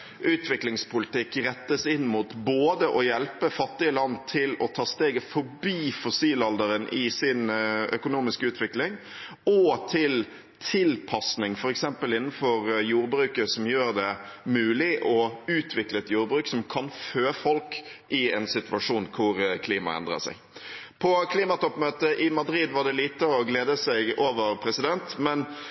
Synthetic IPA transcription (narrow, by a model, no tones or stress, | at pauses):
ʔʉːt̪ʋɪklɪŋspʰʊlɪt̪ɪkːɾɛt̪ːəsɪnːmʊt̪boːd̪əʔɔjɛlpəfɑt̪ːɪəlɑnːt̪ʰɪlɔt̪ʰɑːst̪eːɡəfɔɾbiːfɔsiːlɑld̪əɾənʔɪsɪnœkʊnuːmɪskʉːt̪ʋɪklɪŋ | ɔt̪ʰɪl | t̪ʰɪlpʰɑsnɪŋfɔɾɛksɛmpəlɪnːn̩fɔɾjuːɾbɾʉːkəsɔmjøːɾd̪ɛmʉːlɪʔɔʉːt̪ʰʋɪkləɛt̪juːɾbɾʉːksɔmkʰɑnføːfɔlkʔɪɛnsɪt̪ʋɑʂuːnkʰʊɾkʰliːmɑ̰ɛ̰nd̪ɾə̰sæ̰ɪ | pʰɔkʰliːmɑt̪ɔpːmøːt̪əʔɪmɑd̪ɾiːd̪ʋɑʁɖ̪ɛliːt̪əɔɡleːd̪əsɛɪɡoːʋəɾpʰɾɛsɪd̪ɛnt̪mɛn